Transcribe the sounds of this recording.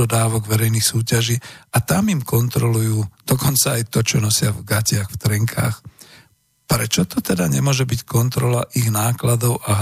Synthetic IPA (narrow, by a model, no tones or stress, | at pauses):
ɔd̪aːʋɔɡʋɛɾɛjnixsuːcaʒiːat̪amimkɔnt̪ɾɔlujuːd̪̥ɔkɔnt͡saːjt̪ɔt͡ʃɔnɔsɪavɡacɪaxft̪ɾɛŋkʰa̰ːx | pɾɛt͡ʃɔt̪ɔt̪ɛd̪aɲɛmʊɔʒɛbickɔnt̪ɾɔlaʔiɣnaːklad̪ɔʊʔaɦ